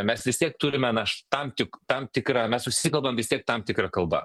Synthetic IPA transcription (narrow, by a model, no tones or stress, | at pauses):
mʲɛsʋʲɪst̪ʲiɛkt̪ʊɾʲɪmʲɛnɐʃt̪ɐmt̪ʲɪkt̪ɐmt̪ʲɪkɾɐmʲɛsʊʃʲsʲɪsʲɪkɐlˠbɐmʋʲɪst̪ʲiɛk̚t̪ɐmt̪ʲɪkɾɐkɐlˠbɐ̰